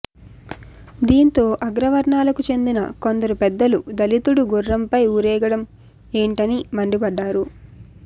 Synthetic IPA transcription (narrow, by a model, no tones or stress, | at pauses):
d̪iːnt̪o̞ːʔɐɡɾɐʋɐɾɳaːlɐkut͡ʃe̞nd̪inɐ̰ko̞nd̪ɐɾupɛd̪ːɐlud̪ɐlit̪uɽuɡuɾːɐmpɐjuːɾɛːɡɐɽɐm | e̞ːɳʈɐnimɐɳɖibɐɖːaːɾu